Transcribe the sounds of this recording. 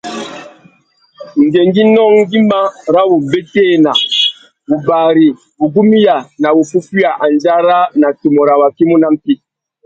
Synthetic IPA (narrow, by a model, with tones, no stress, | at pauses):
ŋ̩˨ɡe˨ŋ˦ɡi˦nɔ˦ŋ˦ɡi˦ma˦ɾa˦wu˨be˦teː˦˨na˨ | bu˨baː˨ɾi˨ | bu˨ɡu˦mi˦ja˨na˨wu˨pu˦fi˦a˨ʔa˨n˦d͡ʒa˦ɾa˦na˨tu˨mɔ˨ɾa˨wa˨ki˦mu˦na˦m˦ki˦